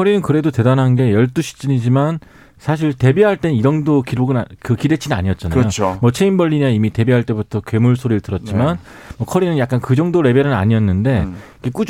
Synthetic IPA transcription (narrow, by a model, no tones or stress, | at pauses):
kʰʌɾinɯnkɯɾe̞dote̞danɦanɡe̞jʌɭt͈uɕʰi̥t͡ɕ͈iɲid͡ʑiman | sʰaɕ̬ʰiɭte̞biɦaɭt͈e̞nniɾʌŋdokiɾoɡɯnkɯkidet͡ɕʰinɯna̰ɲiʌt̚t͡ɕ͈anajoomwʌt͡ɕʰeinbʌʎːiɲaimite̞biɦaɭt͈e̞butʰʌkɥe̞muɭsʰoɾiɾtɯɾʌt̚t͡ɕ͈iman | mwʌkʰʌɾinɯnjak͈ankɯd͡ʑʌŋdoɾe̞beɾɯna̰ɲiʌnːɯnde̞iɡe̞k͈ud͡ʑ